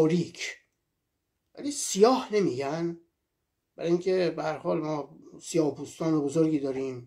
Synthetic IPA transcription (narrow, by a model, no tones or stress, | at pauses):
ɔːɾiːcʰ | væ̰liːsijɒːhne̞miːɟæn | b̥æɾɒːjiŋcʰebehæɾhɒːlmɒːsijɒːhpʰuːst̪ɒːnebozoɾɡiːd̪ɒːɾiːm